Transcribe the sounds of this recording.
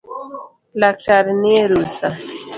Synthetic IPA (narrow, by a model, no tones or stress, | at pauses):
lak̚taɾneɾusa